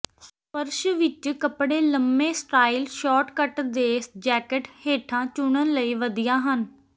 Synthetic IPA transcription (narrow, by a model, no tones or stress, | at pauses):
s | pəɾʃʋɪt͡ʃkəpɽeːləmbẽːsʈaːilʃɔːʈkəʈd̪eːsd͡ʒɛːkəʈheːʈʰãːt͡ʃʊɳənləiːʋəd̪ijãːɦən